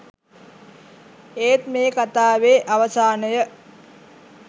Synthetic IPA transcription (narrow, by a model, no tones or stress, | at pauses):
eːt̪meːkat̪aːʋeːʔaʋəsaːnəjə